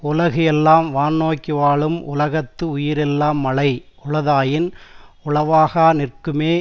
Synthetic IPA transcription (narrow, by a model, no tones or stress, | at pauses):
ʊlɐɣɐɛlːaːmʋaːnːoːkːɪʋaːɭɯmʔʊ̰lɐɣɐt̪ːɯʊjɪɾɛlːaːmːɐɭɐɪ | ʊɻɐðaːjɪnʊɭɐʋaːɣaːnɪrkɯmeː